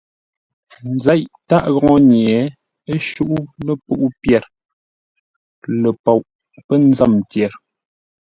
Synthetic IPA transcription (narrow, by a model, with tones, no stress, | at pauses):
n̩˨zɛ˦ʔta˦ʔɣɔ˨ŋɔ˦ɲjɛ˨˦ | e˦ʃu˦ʔu˦lə˦pu˦ʔu˦pjɛ˨ɾ | lə˨pɔ˨wʔ | pə˦n̩˦za˦˨mtjɛ˨ɾ